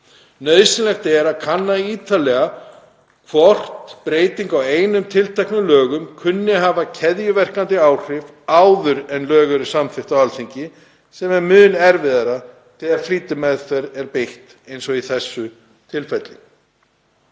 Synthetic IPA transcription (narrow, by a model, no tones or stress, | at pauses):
nœðsɪnlɛxt̪ɛɾaðkʰanːaiːt̪alɛɣa | kʰvɔr̥t̪pɾeːjt̪iŋkaweːjnʏmt̪ʰɪlt̪ʰɛjhknʏlœːɣʏmkʰʏnːɪɦaːvacʰɛðjʏvɛr̥kant̪ɪaːwr̥ɪv | aːwðʏɾɛnlœːɣʏɾɪsamfɪht̪awalθiɲcɪ | sɛmɛɾmʏːnɛɾvɪðaɾa | t̪ʰɛðaɾfliːt̪ɪmɛðθɛɾɛɾpejht̪ | ejnsɔiθɛsːʏ | t̪ʰɪlfɛt̪lɪ